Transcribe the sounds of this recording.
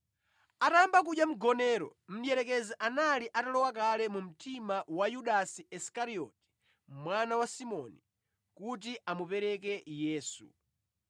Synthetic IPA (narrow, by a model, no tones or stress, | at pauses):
atambak̬uɗjam̩ɡɔnɛːɾɔ̰m̩jɛɾɛkɛzɛʔanaliʔatalɔwakalɛmum̩timawajuɗasiɛskaɾiɔ̰tɛ̥ | mwanawasimɔni | kut̬iʔamupɛɾɛk̬ɛjɛːsṵ